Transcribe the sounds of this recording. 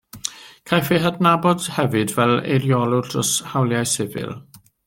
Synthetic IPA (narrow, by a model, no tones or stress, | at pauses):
kʰajfɪɦadnabɔd̥hɛvɨdvɛlḛɾjɔlˠʊd̥ʰrɔshawlˠjajsɪvɨ̰lˠ